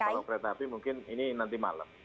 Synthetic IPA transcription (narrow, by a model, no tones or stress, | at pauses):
kalokɾet̪apimuŋkɪnininant̪̬ima̰lə̰m